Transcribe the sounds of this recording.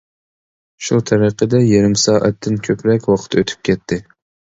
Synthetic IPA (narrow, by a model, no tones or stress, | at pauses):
ʃut̪ʰæɾəqəd̪ɛjeɾɪmsɑːʔæ̰t̪ʰːɪnkʲʰøpɾɛkʲwɑqʰə̥t̪ʰøt̪ʰy̥p̚kʲʰɛt̪ʰːɪ